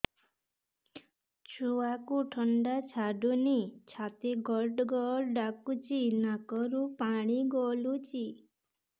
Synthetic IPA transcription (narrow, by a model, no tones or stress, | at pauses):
t͡ʃʰuakuʈʰʌɳɖat͡ʃʰaɖunit͡ʃʰat̪eɡɔɾɖɡɔɾɖakut͡ʃinakɔɾupaɽ̃iɡɔlut͡ʃi